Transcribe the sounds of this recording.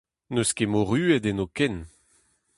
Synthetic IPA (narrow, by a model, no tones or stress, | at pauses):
nøskemoʁyːed̪enokɛn